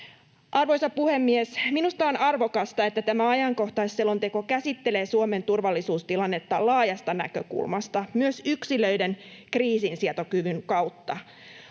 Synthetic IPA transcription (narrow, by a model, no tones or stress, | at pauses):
ʔɑrʋo̞jsɑpuhemːiesminust̪ɑonɑrʋo̞kɑst̪ɑet̪ːæt̪æmæɑjɑŋko̞ht̪ɑisːelo̞nt̪e̞ko̞kæsit̪ːeleːsuome̞nt̪urʋɑlːisuːst̪ilɑnːe̞t̪ːɑlɑːjɑst̪ɑnæ̰kø̰kṵlmɑst̪ɑmyøsyksilø̞idenkriːsinsiɑt̪o̞kyʋyŋkɑwt̪ːɑ